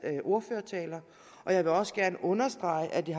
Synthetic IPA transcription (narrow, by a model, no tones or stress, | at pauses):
ʔo̝ɐføːɐt͡sʰɛ̰ːlɐ | ʔɒ̽jɑ̈ɪʋe̝ɒ̽səɡ̥æɐnəʔɔ̽nɐsd̥ʁɑ̈ɪʔæd̥iɦ